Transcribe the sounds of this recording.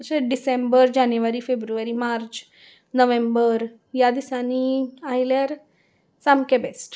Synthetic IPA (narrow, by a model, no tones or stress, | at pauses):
seɖisembəɾd͡ʑanjuʋaɾiːfebɾuʋaɾiːmaɾt͡ɕ | nəʋẽmbəɾ | jad̪isaniailjaɾ | samkebesʈ